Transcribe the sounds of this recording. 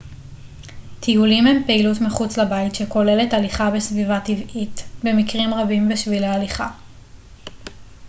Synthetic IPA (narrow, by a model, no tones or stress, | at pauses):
tʰihulimhe̞mpeilutmiχut͡slabaitʃeko̞le̞le̞taliχabesvivativʔitbemikʁimʁabimbiʃvilealiχa